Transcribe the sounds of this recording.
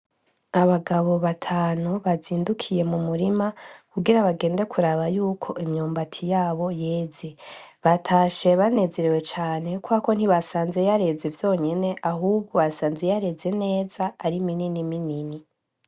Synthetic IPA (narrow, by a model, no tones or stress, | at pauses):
aβaɡaβo̞βatʰaːnuβaziːndukʰije̞mumuɾimakuɡiɾaβaɡe̞ːnde̞kʰuɾaβajuːkʰo̞ʔimɲoːmbatʰijaːβo̞jeːz̥eβatʰaːʃe̞βane̞ze̞ɾewe̞t͡ʃaːne̞kwako̞n̥iβasaːnze̞jaɾe̞zevjo̞ːɲe̞ne̞ʔaɦuːb̚ɡoasaːnzejaɾe̞ze̞ne̞ːzaːɾimininiminini